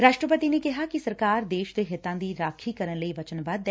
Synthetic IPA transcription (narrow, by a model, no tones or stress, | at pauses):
ɾaːʃʈɾəpət̪inekɐɦakisɐɾkaːɾd̪eːʃd̪eɦɪt̪ãːd̪iɾaːkʰikɐɾənlɐiʋɐt͡ʃənbad̪ː